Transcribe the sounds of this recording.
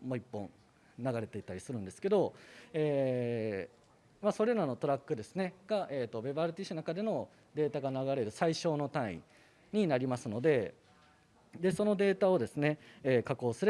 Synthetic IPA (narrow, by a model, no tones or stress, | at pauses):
mo̞ipːõ̞ɴ | naɡaɾe̞t̪e̞it̪ːaɾʲisɨɾɯ̟̃nd̪esɨ̥ke̞d̪o̞eː | maso̞ɾe̞ɾano̞t̪o̞ɾakːɯ̟d̪e̞sɨne̞ɡ̥aʔe̞ːt̪ːo̞be̞baɾɯ̟t̪ʲiːɕɨnakad̪e̞no̞ | d̪e̞ːt̪aɡanaɡaɾe̞ɾɯ̟saiɕo̞ːno̞t̪ãḭ̃ | ɲ̟inaɾʲimasɨno̞d̪e̞ | d̪e̞so̞no̞d̪e̞ːt̪ao̞d̪e̞sɨne̞ːkako̞ːsɨɾe